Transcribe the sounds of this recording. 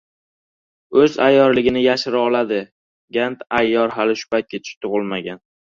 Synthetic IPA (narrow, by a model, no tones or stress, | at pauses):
ɵza̰jːɒɾlɪɡʲɪnɪjaʃɪɾɒlˠad̪ɪ | ɡʲant̪ajːɒɾɦalɪʃʊ̥pajt̪̚kʲat͡ʃʰɪ̥ʃt̪ʰʊʁɨlˠmaɡʲan